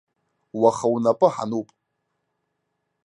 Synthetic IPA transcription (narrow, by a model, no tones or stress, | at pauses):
waχawnapʼɨħa̰nupʼ